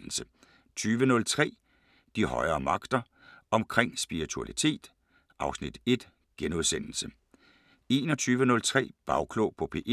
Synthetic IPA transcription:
l̩sə | t͡sʰyːʋənɔ̽lt͡sʰʁɛ̰ː | d̥ihɒ̽ɪɐːmɑ̈ɡ̥d̥ɐ | ɒ̽mkʰʁeŋ̰sb̥iʁit͡sʰuælit͡sʰe̝̰ːd̥ | ʔɑ̈ʊsnid̥e̝d̥ | ɡ̥enuðˠsen̰l̩sə | e̝ːnɒt͡sʰyːʋənɔ̽lt͡sʰʁɛ̰ːb̥ɑ̈ʊkʰlopʰɒ̽pʰeʔ

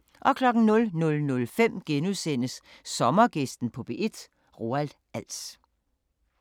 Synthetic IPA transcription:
ʔɒ̽kʰlɒ̽ɡ̥n̩nɔ̽lnɔ̽lnɔ̽lfem̰ɡ̥enusen̰əsː | ɒ̽mɐɡ̥e̝sd̥n̩pʰɒ̽b̥e̝ʔe̝d̥ | ʁo̝æld̥ | ʔæl̰s

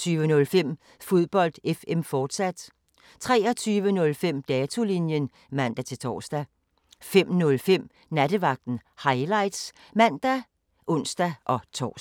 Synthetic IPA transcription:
t͡sʰyːʋənɔ̽lfem̰ | fo̝ð̞ˠb̥ɒ̽l̰d̥efemfɒːd̥sæd̥ | t͡sʰʁɛ̰ːɐ̽t͡sʰyːʋənɔ̽lfem̰d̥ɛːt͡sʰo̝linjən | mæn̰d̥æt͡sʰe̝lt͡sʰɒ̰ːsd̥æ | fem̰nɔ̽lfem̰ | næd̥əʋɑ̈ɡ̥̚d̥n̩hɑ̈ɪlɑ̈ɪd̥s | mæn̰d̥æ | ʔɔ̽n̰sd̥æʔɒ̽t͡sʰɒ̰ː

